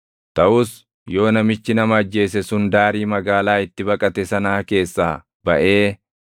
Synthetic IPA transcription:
t̪ɐʔʊs | jo̞ːnɐmɪt͡ʃːɪnɐmɐɐd͡ʒːe̞ːsɛsʊnd̪aːɾiːmɐɡaːlaːɪt̪ːɪbɐkʼɐt̪ɛsɐnaːke̞ːsːaː | bɐʔe̞ː

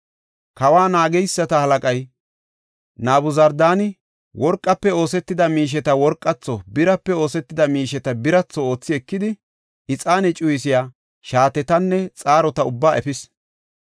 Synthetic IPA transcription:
kɐwaːnaːɡɛjsːɐt̪ɐhɐlɐkʼɐj | naːbʊzɐɾd̪aːnɪ | wɔɾkʼːɐpːɛo̞ːsɛt̪ːɪd̪ɐmiːʃ̬ɛt̪ɐwɔɾkʼːɐt͡sːɔbɪɾɐpːɛo̞ːsɛt̪ːɪd̪ɐmiːʃɛt̪ɐbɪɾɐt͡sːɔo̞ːt͡sːɪɛkːɪd̪ɪ | ɪt͡sʼaːnɛt͡ʃʼʊjsɪjaː | ʃaːt̪ɛt̪ɐnːɛt͡sʼaːɾɔt̪ɐʊbːaːʔɛfɪs

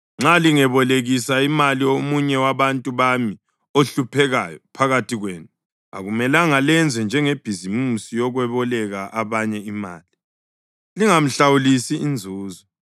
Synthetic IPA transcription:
ŋ͡ǁaliŋɛβɔleɣisaimaliomuɲɛwaβantʼuβami | oɬupʰɛɣajɔpʰaɣatʰiɣweːnu | a̰ɣumɛlaŋalɛnd͡zʱwɛnd͡ʒʱɛŋeb̥ʱizimusijɔɣwɛβɔlɛɣaʔaβaɲɛima̰ːli | liŋam̩ɬawulisiːnd͡zʱuːzɔ

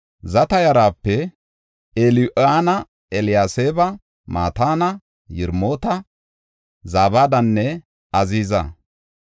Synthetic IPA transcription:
zɐt̪ɐjɐɾaːpːɛ | elʔaːnɐ | ɛlɪjaːseːbɐ | ma̰ːt̪aːnɐ | jɪɾmo̞ːt̪ɐ | zaːbaːd̪ɐnːɛ | ɐziːzɐ̰

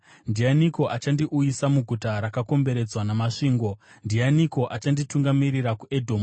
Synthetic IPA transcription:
ndianiko̞ʔat͡ʃandiʔujisamuɡʱutaɾakako̞mbe̞ɾe̞d͡zwanamaʂiːŋɡo̞ndianiko̞ʔat͡ʃandituŋɡamirirakuʔedʱo̞ːm

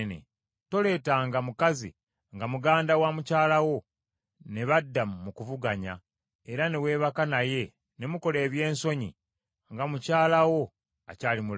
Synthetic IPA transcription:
nḛ | to̞le̞ːtaŋɡamukazḭ | ŋɡamuɡaːndawamucaːlawo̞ | ne̞βadːammukuvuɡaɲa̰ | eɾane̞we̞ːβakanaje̞ | ne̞muko̞le̞ːβje̞ːnso̞ɲḭ | ŋɡamucaːlawo̞ | acaːlimul

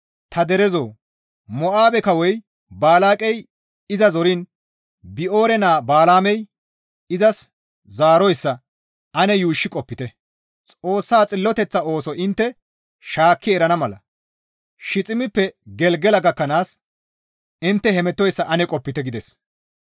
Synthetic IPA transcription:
t̪ʰɐd̪ɛɾɛzo̞ː | mɔʔaːbɛkɐwɔj | baːlaːkʼɛj | ɪzɐzɔɾin | bɪʔo̞ːɾɛnaːbaːlaːmɛj | ɪzɐs | zaːɾɔjsːɐ | ʔɐnɛjuːʃːɪkʼɔpːɪt̪ɛ | t͡sʼo̞ːsːaːt͡sʼɪlːɔt̪ɛt͡sːɐo̞ːsɔʔɪnt̪ːɛ | ʃaːkːɪɛɾɐnɐmɐlɐ̰ | ʃɪt͡sʼɪmɪpːɛɡɛlɡɛlɐɡɐkːɐnaːs | ɪnt̪ːɛɦɛmɛt̪ːɔjsːɐʔɐnɛkʼɔpːɪt̪ɛɡɪd̪ɛs

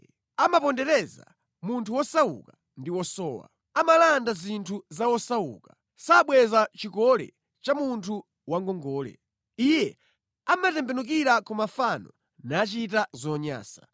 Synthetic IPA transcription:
amapɔndɛɾɛza̰ | muntʰuwɔsawṵka | ndiwɔsɔːwa̰ | amalandazintʰuzawɔsawṵːkḁ | saɓwɛzat͡ʃikɔlɛ̰ | t͡ʃamuntʰu | waŋɡɔŋɡɔːlɛ̰ | ijɛ | amatɛmbɛnuk̬iɾakɔmafanɔ | nat͡ʃitazɔɲa̰ːsḁ

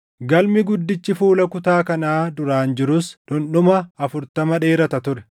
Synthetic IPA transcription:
ɡɐlmɪɡʊd̪ːɪt͡ʃːɪfuːlɐkʊt̪aːkɐnaːd̪ʊɾaːnd͡ʒɪɾʊsᶑʊnɗʊmɐːfʊɾt̪ɐmɐᶑe̞ːɾɐt̪ɐt̪ʊɾɛ̥

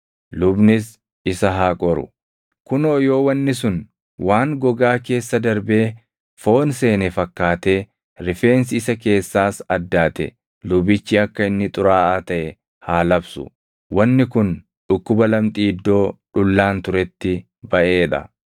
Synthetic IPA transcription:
lʊbnɪs | ɪsɐɦaːkʼɔɾʊ̰ | kʊnoːjo̞ːwɐnːɪsʊn | waːŋɡɔɡaːke̞ːsːɐd̪ɐɾbe̞ː | fo̞ːnse̞ːnɛfɐkːaːt̪e̞ː | ɾɪfe̞ːnsɪɪsɐk̬e̞ːsːaːsɐd̪ːaːt̪ɛ̰ | lʊbɪt͡ʃːɪɐkːɐɪnːɪt̪ʼʊɾaːaːt̪ɐʔɛ | haːlɐbsʊ̰ | wɐnːɪkʊn | ᶑʊkːʊbɐlɐmt̪ʼiːd̪ːo̞ːᶑʊlːaːnt̪ʊɾɛt̪ːɪ | bɐʔe̞ːᶑɐ̰

